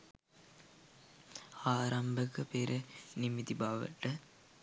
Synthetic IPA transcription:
aːɾɐmbəkəpeɾʔənimit̪ibaːʋə̰ʈə

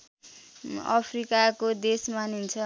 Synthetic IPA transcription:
ʌ̰pʰrikakod̪esmanunt͡sʰʌ

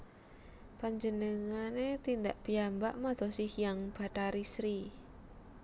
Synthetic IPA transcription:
paɲd͡ʒənəŋanet̪ind̪aʔpiambaʔmad̪̥ɔ̤sɪhjaŋb̥a̤ʈaɾisɾi

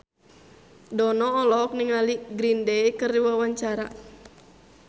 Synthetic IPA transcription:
dɔnɔːlɔk̚niŋaliɡɾindɛikɨrdiwawaɲt͡ʃaɾa̰

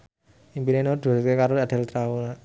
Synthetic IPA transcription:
impinenod̪̥uaskekaɾoad̪̥ɛ̤lt̪ɾaula

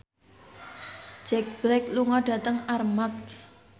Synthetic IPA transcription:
d͡ʒ̥ɛk̚b̥lɛk̚luŋɔɖ̥ä̤t̪əŋarmak̚

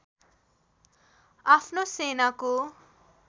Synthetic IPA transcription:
apʰnosenako

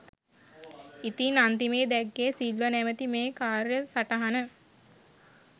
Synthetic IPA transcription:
it̪inant̪imeːd̪ɛɡːeːsilʋənæmət̪imeːkaːɾjəsaʈəɦanə

